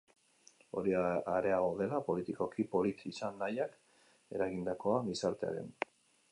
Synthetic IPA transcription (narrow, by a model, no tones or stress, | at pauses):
o̞̰ɾiaɾe̞aɣo̞ðe̞lapo̞lit̪iko̞kipo̞lit̪isanːajak | e̞̰ɾaɣind̪ako̞aβisaɾt̪e̞a̰ɾe̞̰n